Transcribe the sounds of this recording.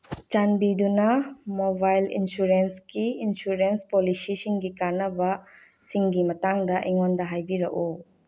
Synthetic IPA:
t͡ʃanbidunɐmobajlḭnsuɾenskiinsuɾenspolisisiŋɡikanɐbɐ | siŋɡimɐtaŋdɐʔḛŋondɐɦajbiɾɐ̰ʔu

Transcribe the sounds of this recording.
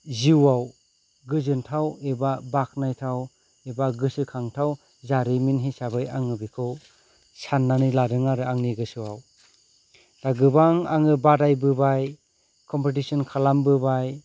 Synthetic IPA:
ziwaw | ɡɯzɯntʰawebabak̚najtʰaw | ebaɡɯsɯkʰaŋtʰaw | zaɾiminɦisabɯjaŋɯbikʰɯw | sanːanɯlaɾɯŋaɾɯaŋniɡɯsɯwaw | d̥aɡɯbaŋa̰ŋɯbadajbɯbaj | kʰɔmpetisɔnkʰalambɯbaj

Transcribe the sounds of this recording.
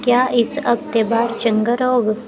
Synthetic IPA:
kjaːʔɪsɐb̚t̪ebaːɾt͡ʃə̃ŋɡəɾoːɡ

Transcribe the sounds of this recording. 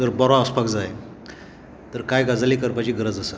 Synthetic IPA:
d͡zəɾbɔɾaəspakd͡zaj | t̪əɾkajɡad͡zalikəɾpat͡ɕiːɡəɾəd͡zəsə

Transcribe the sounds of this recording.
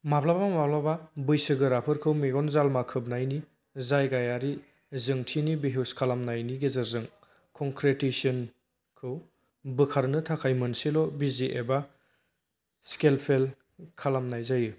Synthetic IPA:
mablabbamablababɯjsɯɡɯɾapʰɯɾkʰɯwmeɡɔnzalmakʰɯb̚najni | zajɡajaɾi | zɯŋtʰinibiɦewskʰalamnajniɡezaɾzɯŋ | kʰɔŋkɾetesiɯn | kʰɯw | bɯkʰaɾnɯtʰakʰajmɯnsilɔbiziʔeba | skelpʰel | kʰalamnajzajɯ

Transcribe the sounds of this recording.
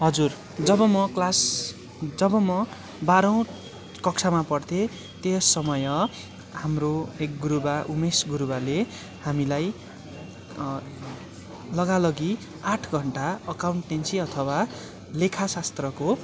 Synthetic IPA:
ɦʌd͡zur | d͡zʌbʌmʌklas | d͡zʌbʌmʌ | baɾʌ̃w̃ | kʌkt͡sʰamapʌrt̪ʰe | t̪esʌmʌjʌ | ɦamroek̚ɡuɾubaʔumesɡuɾubale | hamilaj | lʌɡalʌɡi | aʈʰɡʱʌɳʈaʌkawɳʈːensiʌt̪ʰʌwa | lekʰasast̪rʌko

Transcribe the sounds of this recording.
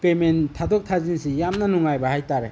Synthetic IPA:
pementʰadɔk̚tʰazinsijamnanuŋajbahajtaɾḛ

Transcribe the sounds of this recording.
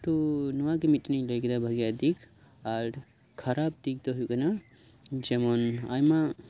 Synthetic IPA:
ʈunuwaɡemitːnijlɔjkɛd̪abʱaɡijad̪ik | aɾ | kʰaɾab̚d̪ik̚d̪ɔɦujukana | d͡ʒɛmɔnajma

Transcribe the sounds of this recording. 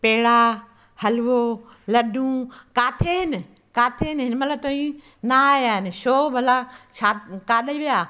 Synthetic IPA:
peːɪɽa | hɐlʋo | lɐɗʱũkaːt̪ʰeɦɪnɪ | kaːt̪ʰeɦɪnɦɪnməɐt̪ləbt̪oːɦĩ | najaːɦɪnɪʃoːbʱɐlaʃʰaːkaːɗəiʋijaː

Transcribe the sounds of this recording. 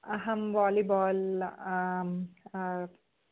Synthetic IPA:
ɐɦɐmʋaːlibɔːl

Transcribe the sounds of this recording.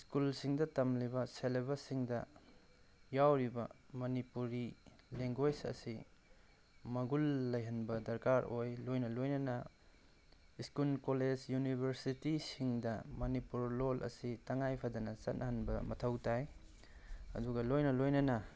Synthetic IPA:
skulsiŋdɐtɐmlibɐselebɐsiŋdɐ | jawɾibɐ̰mɐnipuɾi | leŋɡojsɐ̰si | mɐɡulːɐjɦɐnbɐdɐɾkaɾojlojnɐlojnɐnɐ | iskulkoled͡ʒjunibʱɐɾsitisiŋdɐmɐnipuɾlolʔɐ̰sitɐŋajpʰɐdɐnɐsɐt̚nʔɐɦɐnbɐ̰mɐtʰɐwtaj | ɐ̰duɡɐlojnɐlojnɐnɐ

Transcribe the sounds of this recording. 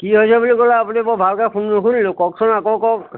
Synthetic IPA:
kiɦojsɛbulikɔlaːpunimɔbʱalkakʰunnukʰunilʊ̃kɔksɔnakɔkɔk

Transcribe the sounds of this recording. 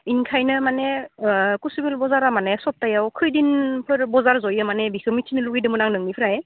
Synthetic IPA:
inkʰajnɯmanekusibilbɔzaɾamanesɔp̚tajawkʰɯjdinpʰɯɾbɔzaɾzɔjɯmanebikʰɯmitʰinɯluɡidɯmɯnaŋnɯŋnipʰɾaj

